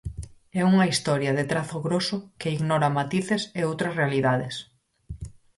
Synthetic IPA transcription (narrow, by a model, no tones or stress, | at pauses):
ɛuŋɐist̪ɔɾjɐðet̪ɾaθoɣɾosʊkeiɣnɔɾamat̪iθeseowt̪ɾɐsrealiðaðes